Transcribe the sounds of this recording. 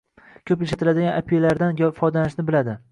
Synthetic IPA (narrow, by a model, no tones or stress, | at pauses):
kʲʰɵpjɪʃat̪ʰɪlad̪ɪɡʲanʔapʰijelaɾd̪anjʲfɒd̪anɪʃnɪbɪlad̪ɪ